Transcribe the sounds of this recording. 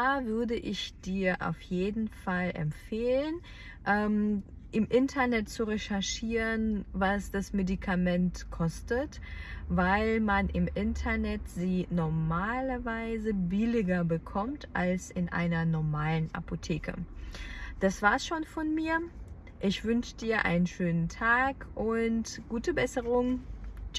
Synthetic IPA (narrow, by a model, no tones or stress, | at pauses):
aːvʏɐdəʔɪçd̥iːɐʔa̰ʊfjeːdn̩falɛ̰mfeːlən | ʔɛːm | ʔɪmʔɪntʰɐnɛtt͡suʁeʃɛɐʃiːʁənvasd̥asmedikʰamɛntkʰɔstət | vaɪlmanʔɪmʔɪntʰɐnɛtz̥iːnɔɐmaːlɐvaɪzəbɪlɪɡɐbəkʰɔmtʔalsɪnʔa̰ɪnɐnɔɐmaːlənʔa̰pʰotʰeːkə̰ | d̥asv̥aːɐsʃoːnfɔnmiːɐ | ʔɪçv̥ʏnʃədiːɐʔa̰ɪnənʃøːnəntʰaːkʔʊntɡ̥uːtəbɛsəʁʊŋ